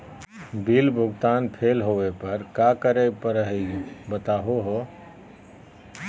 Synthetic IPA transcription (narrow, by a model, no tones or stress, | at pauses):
bilbʱʊɡt̪aːnpʰeːlɦoʋepəɾkakəɾepəɾəɦebət̪aːɦoɦo